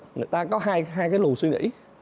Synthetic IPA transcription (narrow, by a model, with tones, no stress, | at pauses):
ŋɨ˨˩jt̪aː˧kɔ˨˦ɦaː˧jɦaː˧jkaː˨˦jlu˨˩swi˧ŋḭ˧˥